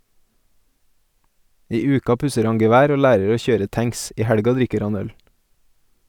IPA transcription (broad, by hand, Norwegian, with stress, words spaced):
ˈiː ˈʉːkɑ ˈpʉsəɾ ˈɑŋ ɡɛˈʋæːɾ ˈoː ˈlæːɾəɾ ˈoː ˈçøːɾə ˈtæŋs ˈiː ˈhæɽɡɑ ˈdɾɪkəɾ ˈɑn ˈœl